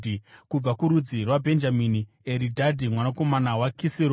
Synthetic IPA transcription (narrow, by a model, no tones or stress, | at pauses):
ikub͡vakuɾud͡zirwabʱe̞nd͡ʒamini | eɾidʱadʱimwanako̞manawakisiɾo